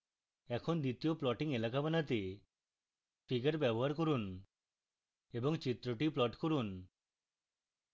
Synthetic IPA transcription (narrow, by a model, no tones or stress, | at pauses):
ɛkʰond̪it̪ioplɔʈiŋelakabanat̪e | pʰiɡaɾbɛboɦaɾkoɾun | ebɔŋt͡ɕit̪ɾoʈiplɔʈkoɾun